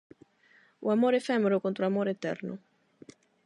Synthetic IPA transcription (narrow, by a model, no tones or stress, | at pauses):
ṵamoːɾeɛfɛːmeɾʊkont̪ɾoamoːɾeːt̪ːɛ̰ɾnʊ̰